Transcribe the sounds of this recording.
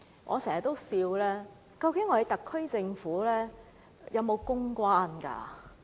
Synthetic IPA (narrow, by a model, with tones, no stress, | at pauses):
ʔɔ̰˨˧sɛː˨˩hɐ˨˩t̪o˥wsiː˧wlɛː˥ | kɐ˧wkɪ˨˥ŋːɔ˨˧je˨˧jt̪ɐ˨kʰːɵ˥ɥt͡sɪ˧ŋfuː˨˥lɛː˥ | jɐ˨˧wmo˨˧wkʊ˥ŋkʷwaː˥nka̰ː˧